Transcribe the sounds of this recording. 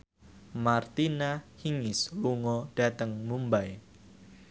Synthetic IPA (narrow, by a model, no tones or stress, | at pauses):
mart̪inahiŋɪsluŋɔɖ̥at̪əŋmumbaj